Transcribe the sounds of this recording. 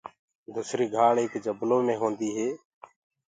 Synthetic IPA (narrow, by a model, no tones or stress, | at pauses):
d̪uːsɾiːɡʱaːɭeːkd͡ʒəbloːmẽːɦõːnd̪iːɦeː